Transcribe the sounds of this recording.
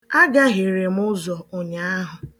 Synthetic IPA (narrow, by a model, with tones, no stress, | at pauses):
a˦ɡa˦ɦi˨ɾe˨m˦ʊ˦zɔ˨ʊ˨ɲa˨a˦ɦʊ˨